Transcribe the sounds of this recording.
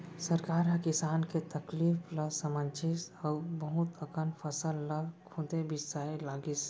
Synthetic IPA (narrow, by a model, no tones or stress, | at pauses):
səɾkaːɾɦə̃kɪsaːnket̪əklifləsəmənt͡ʃʰɪsɔːbəɦʊt̪əkənpʰəsəlːəkʰud̪ebɪsaːelaːɡis